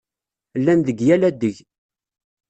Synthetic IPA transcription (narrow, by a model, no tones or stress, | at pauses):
lːænðəɡjælæd̪əʝ